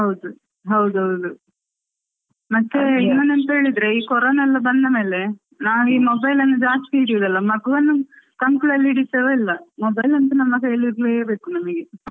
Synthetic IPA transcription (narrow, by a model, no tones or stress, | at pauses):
ɦɐwd̪u | ɦɐwd̪uɦɐwd̪u | mɐt̪ːe̞inːɐnent̪ɐɦe̞ːɭid̪ɾeiːkɔɾoːnaɛlːɐbɐnd̪ɐme̞ːle̞ | naːʋiːmobɐjlɐnːud͡ʒaːst̪iiiɽijod̪ɐlːɐmɐɡuʋɐnːu | kɐŋkuɭɐlːiiɽit̪ːɐʋeilːɐmobɐjlɐnt̪ɐnɐmːɐkeːliɾleebe̞ːkunɐmɐɡe